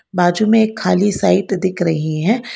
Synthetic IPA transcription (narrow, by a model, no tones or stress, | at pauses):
baːd͡ʒumẽeːkʰːaːlisaːɪt̪d̪ɪkʰɾɐɦiɦɛ̃ː